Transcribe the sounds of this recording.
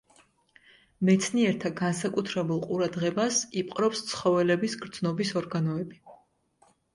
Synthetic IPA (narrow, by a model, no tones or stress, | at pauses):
mɛt̪sʰniɛɾt̪ʰaɡans̬akʼut̪ʰɾɛbulˠqʼuɾad̪ʁɛbasipʼqʼɾɔpst̪sʰχɔvɛlɛbisɡɾd̪znɔbisɔɾɡanɔɛbi